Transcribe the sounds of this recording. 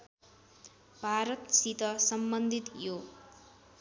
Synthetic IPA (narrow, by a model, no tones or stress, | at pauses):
bʱaɾʌt̪sit̪ʌsʌmbʌnd̪ʱit̪jo